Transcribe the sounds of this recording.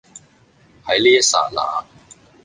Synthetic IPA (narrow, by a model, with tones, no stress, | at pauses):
hɐ˨˥jliː˥jɐ˥sa̰ː˨˩t̚la̰ː˨˩